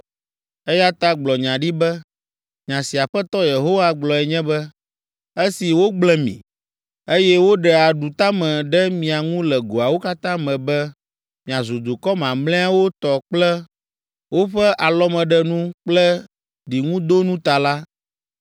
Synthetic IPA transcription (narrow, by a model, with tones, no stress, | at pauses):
ɛ˦ja˦t̪a˦ɡ͡blɔ˨ɲã˨ɖi˦bɛ˦ | ɲã˨si˨a˨ɸɛ˦t̪ɔ˦je˨ɦo˦wa˦ɡ͡blɔ˨ɛ˨ɲɛ̃˦bɛ˦ | e˦si˨wo˦ɡ͡blɛ˦mḭ̃˨ | e˦jɛ˦wo˦ɖɛ˨a˨ɖu˨t̪a˦mɛ̃˨ɖɛ˦mĩ˨a˨ŋũ˦lɛ˨ɡo˨a˨wo˦ka˦t̪ã˦mɛ̃˨bɛ˦ | mĩ˨a˨zu˨d̪u˨kɔ˦mã˨mlɛ̃˦a˦wo˦t̪ɔ˨k͡plɛ˦ | wo˦ɸɛ˦ʔa˨lɔ˦mɛ̃˨ɖɛ˦nũ˦k͡plɛ˦ | ɖi˨ŋũ˦d̪o˦nũ˦t̪a˨la˦